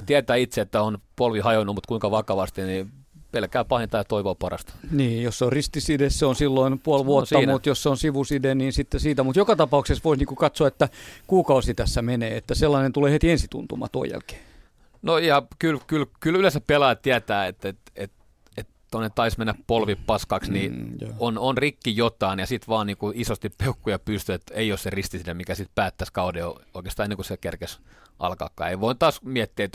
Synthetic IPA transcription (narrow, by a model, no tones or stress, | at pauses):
t̪iæt̪æːit̪seet̪ːæonpolʋihɑjonːumut̪kuiŋkɑʋɑkɑʋɑst̪inipelkæːpɑhent̪ɑːjɑt̪oiʋoːpɑrɑ̰st̪niːjosseorrist̪isidesseonsilːoinpuolʋuot̪ːɑmut̪josseonsiʋusideniːnsit̪ːesiːt̪æmut̪jokɑt̪ɑpɑuksesʋoisniːŋkukɑt̪soɑet̪ːækuːkɑusit̪æsːæmenḛːet̪ːæselːɑnent̪uleːhet̪iensit̪ṵnt̪umɑ̰t̪uo̰jæ̰lke̥ː | noijɑkylkylkylylesæppelɑːtt̪iæt̪æːet̪et̪et̪ | et̪t̪onːet̪t̪ɑismenːæppolʋippɑskɑksniononrikːijot̪ɑˑinjɑsit̪ʋɑːnniːkuisost̪ippeukːujɑpyst̪yet̪eiosserist̪isinemikæsit̪pæːt̪ːæskɑudeooˑikest̪ɑːenːeŋkusekerkesʔɑ̰lkɑ̰ːkːɑ̰ːeiʋoˑint̪ɑːsmiæt̪ːiæet̪